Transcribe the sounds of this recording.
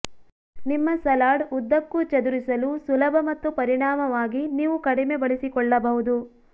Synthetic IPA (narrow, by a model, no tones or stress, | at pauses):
nimːɐsɐlaːɖud̪ːɐkːut͡ʃɐd̪uɾisɐlusulɐbʱɐmɐt̪ːupɐɾiɳaːmɐʋaːɡiniːʋukɐɽime̞bɐɭisikɔɭːɐbɐɦud̪u